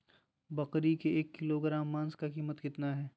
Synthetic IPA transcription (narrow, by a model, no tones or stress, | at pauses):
bɐqɾikeeːkːɪloɡɾãːmːãːnskakiːmət̪kɪt̪naɦɛː